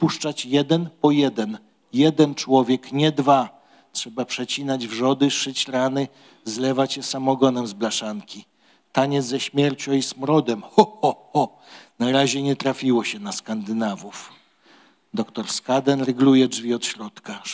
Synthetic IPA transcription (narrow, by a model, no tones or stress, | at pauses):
puʂt͡ʂat͡ɕjɛd̪ɛnpɔjɛd̪ɛn | jɛd̪ɛnt͡ʂwɔvʲjɛkɲɛd̪va | tʂɛbapʂɛt͡ɕinad͡ʑvʐɔd̪ɘʂɘt͡ɕɾanɘ | zlɛvat͡ɕjɛsamɔɡɔnɛmzblaʂaŋkʲi | t̪aɲɛzɛɕmʲjɛɾt͡ɕɔ̃ismɾɔd̪ɛmxɔɔxɔ | naɾaʑɛɲɛt̪ɾafʲiwɔɕɛnaskand̪ɘnavuf | d̪ɔkt̪ɔɾskad̪ɛnɾɛɡlujɛdvʲiɔt̪ɕɾɔt̪ka